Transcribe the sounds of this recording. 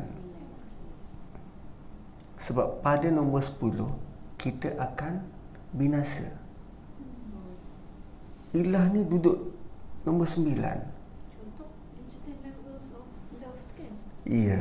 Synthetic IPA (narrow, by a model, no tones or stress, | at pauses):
n | səbapːadanɔ̃mbərsə̥pulʊhkit̪əʔakan | binasə̰ | ilahnĩdudʊʔnɔ̃mbərsəmbila̰n | ʔijə